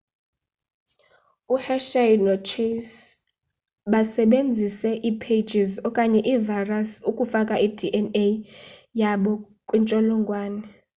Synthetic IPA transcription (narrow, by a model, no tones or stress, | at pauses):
uhɛʃajnɔt͡ʃʰes | ɓasɛɓend͡zʱisɛʔipʰed͡ʒʱizɔkʼaɲɛʔivajrasukʼufakʼaʔidʱiʔɛnejaɓɔ | kʼwint͡ʃʼɔlɔŋɡʱwaːnɛ